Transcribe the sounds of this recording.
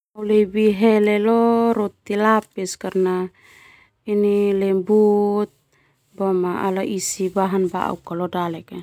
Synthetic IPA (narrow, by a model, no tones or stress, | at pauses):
ulebiɦɛlɛlɔɾot̪ːilapiskaɾna | inilembut̪̚ | bamaʔa̰laʔisibaɦanba̰ʔa̰ukalɔdalɛke